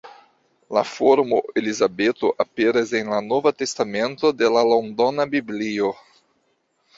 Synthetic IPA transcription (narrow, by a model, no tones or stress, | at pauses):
la̰foɾmo̞e̞lizabetoʔape̞ɾase̞nlano̞vate̞stame̞nto̞de̞lalondonabiblio